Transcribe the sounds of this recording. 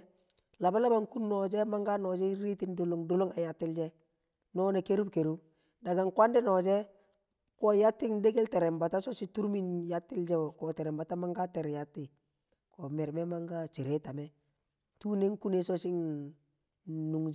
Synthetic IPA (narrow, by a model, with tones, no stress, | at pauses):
la˨ba˦la˦ba˨ŋku˦nːɔ˨d͡ʒe˦ma˦ŋɡa˦nɔ˨d͡ʒɛ˦ɾi˦ti˦ndo˨lo˦ŋdo˦lo˦ŋa˨ja˨tːɪ˦ld͡ʒɛ˦ | nɔ˦ne˨ke˦ɾu˦bke˨ɾu˦b | da˨ɡa˨ŋkwa˦ndɪ˦nɔ˨d͡ʒɛ˦ | kɔ˨ja˦tːɪ˦ŋde˦ɡe˦lte˨ɾɛ˨mba˨ta˦sɔ˦si˦tu˦ɾmi˦nja˦tːɪ˦ld͡ʒɛ˦˨kɔ˨te˨ɾɛ˨mba˨ta˦ma˦ŋɡa˦tɛ˨ɾja˦tːɪ˨ | kɔ˨mɛ˨ɾmɛ˦ma˦ŋɡa˦t͡ʃi˨ɾe˦ta˨mɛ˦ | tu˦ne˦ŋ˦ku˦ne˦sɔ˦t͡ʃi˦ŋ | nu˨ŋd͡ʒ